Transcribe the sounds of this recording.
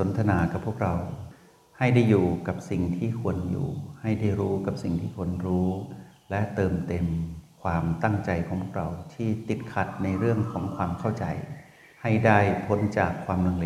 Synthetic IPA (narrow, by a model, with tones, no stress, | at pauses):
so˩˦nt̪ʰa˧naː˩˦ka˨˩pʰu˥˩ək̚ɾa˧w | ha˥˩jda˥˩jːuː˨˩ka˨˩p̚si˨˩ŋt̪ʰiː˥˩kʰu˧ənjṵː˨˩ha˥˩jdaː˥˩jɾuː˦˥ka˨˩p̚si˨˩ŋt̪ʰiː˥˩kʰu˧ənɾuː˦˥ | lɛ˦˥t̪ɤː˧mt̪e˧mkʰwaː˧mt̪a˥˩ŋt͡ɕa˧jkʰɔː˩˦pʰə˩k̚ɾa˧wt̪ʰiː˥˩t̪i˨˩t̪̚kʰa˧˦˥t̪̚na˧jɾɯ˥˩əŋkʰɔː˩˦ŋkʰwaː˧mkʰa˥˩wt͡ɕa̰˧j | ha˥˩jdaː˥˩jpʰo˦˥nt͡ɕaː˨˩kʰːwaː˧mlo˧ŋle˧